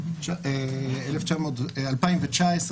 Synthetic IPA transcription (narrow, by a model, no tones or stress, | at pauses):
t͡ʃaeeleft͡ʃamo̞ːtalpaimvet͡ʃaes